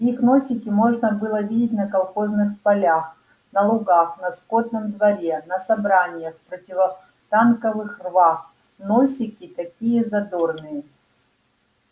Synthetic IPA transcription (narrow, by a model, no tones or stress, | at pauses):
ixno̞sʲɪkʲɪmo̞ʐnəbɨlˠəvʲidʲɪt̬ʲnɐkɐlˠxo̞znɨxpɐlʲax | nɐlˠʊɡaxnɐskod̪nɨmd̪vɐɾʲenɐsɐbɾanʲɪjəxpɾotʲɪvə | t̪ankəvɨxrvax | nosʲɪkʲɪt̪ɐkʲijəzɐd̪o̞rnɨjə